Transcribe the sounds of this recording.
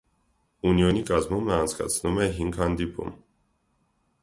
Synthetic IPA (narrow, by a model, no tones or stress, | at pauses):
uniɔnikʼazmumnaːnt͡sʰɡʼa̰t͡sʰnumɛɦiŋkʰand̪ipʰṵm